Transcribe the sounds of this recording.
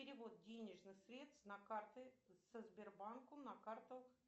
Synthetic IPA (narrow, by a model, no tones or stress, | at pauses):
ɪɾʲɪvo̞t̪̚dʲenʲɪʐnɨxsɾʲe̞t̪st̪nɐkart̪ɨsəzbʲɪrbankʊnɐkart̪əx